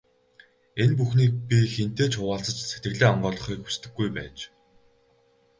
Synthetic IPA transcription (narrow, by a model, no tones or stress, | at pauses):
enp̬uxniːk̚pʲixent̪eːt͡ɕxʊwaːɬt͡sə̆t͡ɕset̪̚ɡɘ̆ɣɮeːaɴɢɔːɮɞ̆χiːkxu̥st̪ɘ̆ɡːujpæ̰ːt͡ɕ